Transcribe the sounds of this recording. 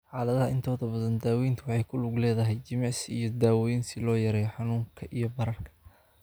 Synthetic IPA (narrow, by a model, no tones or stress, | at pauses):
ħɑːlɐðɐhɐɪnt̪ʰɔːðɐbɐðɐnd̪aːwɛjnt̪ʰʊwɑħɑjkʰʊlʊɡlɛːðɐɦɛjt͡ʃɪmɑʕsijɞd̪aːwɔjnsɪlɔːjɐɾɛːjħɑnuːŋkʰɐʔijɔbɐɾɐrkʰɐ̥